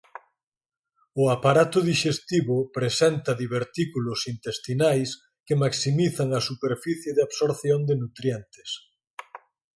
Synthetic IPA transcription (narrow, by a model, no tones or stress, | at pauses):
ʊapaɾat̪ʊðiʃest̪iβʊpɾesɛnt̪ɐðiβeɾt̪ikulʊsint̪est̪inajs | kemaksimiθaŋɐsupeɾfiθjeðeaβsoɾθjond̪enut̪ɾjɛnt̪e̥s